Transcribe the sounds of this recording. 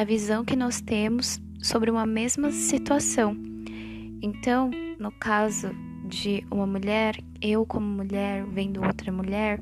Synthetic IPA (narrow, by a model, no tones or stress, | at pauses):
ɐvizɐ̃w̃kɪnɔst̪ẽmʊsː | obɾɪũmɐmezmɐsit̪uasɐ̃w̃ | ẽnt̪ɐ̃w̃nʊkazʊ | d͡ʒɪũmɐmuʎɛɾ | ewkʰõmʊmuʎɛɾvẽj̃d̪ʊowt̪ɾɐmuʎɛɾ